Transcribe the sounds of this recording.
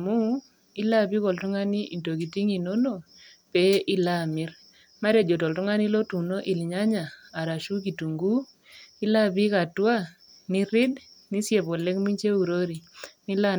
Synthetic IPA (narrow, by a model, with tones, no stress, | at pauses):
mu˦ | i˦la˦˨pi˦kɔ˨ltu˦ŋa˦ni˦ʔi˨nto˨k̬i˨ti˦ŋi˨no˦no˨ | pɛ˦ʔi˦la˦mɪ˦ɾ | ma˦ɾe˨d͡ʒo˨tɔ˨ltu˦ŋa˦ni˦lo˦tu˨no˦ʔi˨lɲa˦ɲaː˨ɾa˨ʃu˦k̬i˨tu˨ŋɡu˦ | i˦la˦pi˦ka˨twa˦ | ni˦ɾɪ˦d | ni˦sje˨pɔ˨lɛ˦kmi˦ɲt͡ʃe˦u˨ɾo˦ɾi˨ni˦la˦